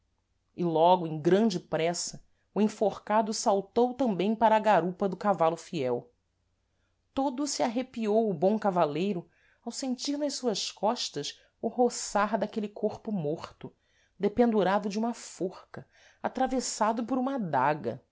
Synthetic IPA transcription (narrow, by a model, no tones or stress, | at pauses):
ɪlɔɡʊẽj̃ɡɾɐ̃d͡ʒɪpɾɛsɐ | ʊẽfoχkad̪ʊsawt̪owt̪ɐ̃mbẽj̃paɾɐːɡaɾupɐd̪ʊkavalʊfiɛw | t̪od̪ʊsiaɦepiowʊbõw̃kavalejɾʊ | awsẽnt͡ʃiɾnɐʃsuɐskɔʃt̪ɐs | ʊhosaɾd̪akelɪkʰoɾpʊmoχt̪ʊ | d̪epẽnd̪uɾad̪ʊd͡ʒɪũmɐfoχkɐ | at̪ɾavesad̪ʊpʊɾũmɐd̪aɡɐ̰